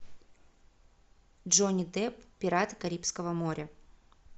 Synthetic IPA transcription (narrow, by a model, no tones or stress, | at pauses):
dʐonʲid̪ɛpːʲɪɾat̪kɐɾʲipskəvəmoɾʲə